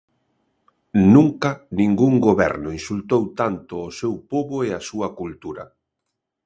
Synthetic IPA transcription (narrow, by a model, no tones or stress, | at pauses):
nũŋkanĩŋɡuŋɡoβɛ̰ɾnʊĩnsult̪owt̪ant̪ʊːsewpoβoeasuɐkult̪uɾɐ̰